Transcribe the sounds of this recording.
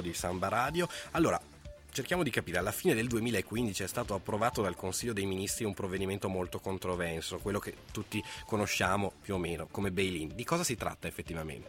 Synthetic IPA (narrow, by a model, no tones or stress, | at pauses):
d̪isambaɾaːd̪joalːoːɾa̰ | t͡ʃerkjaːmod̪ikapiːɾealːafiːned̪eld̪uemiːlaekːwind̪it͡ʃiɛst̪aːt̪oapːɾovaːt̪od̪alkonsiʎːod̪ejminist̪ɾiumpɾovːed̪iment̪omolt̪okont̪ɾovɛnsokwelːoket̪ːut̪ːikonoʃːaːmopjuomeːnokomebejlind̪ikɔːzasit̪ɾa̰t̪ːaefːet̪ːivamḛnt̪